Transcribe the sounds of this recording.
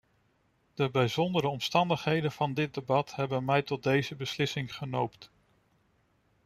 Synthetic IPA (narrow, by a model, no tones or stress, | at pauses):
d̥əbɛjzɔndəɾəɔmstɑndəχɦejdənv̥ɑndɪt̚debɑtɦɛbənmɛjtɔt̚dejzəbəslɪsɪŋχənowpt